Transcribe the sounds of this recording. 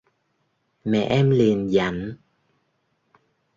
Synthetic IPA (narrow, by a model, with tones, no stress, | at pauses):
mɛ̰˧˨ʔɛ˧mli˨˩ənza̰˨˦n